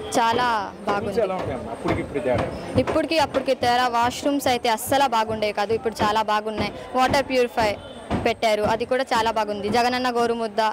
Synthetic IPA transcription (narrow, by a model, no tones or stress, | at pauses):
t͡ʃaːlaːbʱaːɡunilɳɐpːuɽikipːuɽt̪ɛɾa̰ipːuɽikiɐpːuɽikit̪ɛːɾaʋaːʂɾumsɐjt̪e̞ːɐsɐlɐbaːɡuɳɖeːjkaːd̪uipːuɽut͡ʃaːlaːbaːɡunːaːji | ʋɔːʈɐɾpjuːɾipʰɐj | pɛʈːaːɾuɐd̪ikuːɽaːt͡ʃaːlaːbaːɡund̪id͡ʒɐɡɐnɐnːɐɡoːɾumud̪ːɐ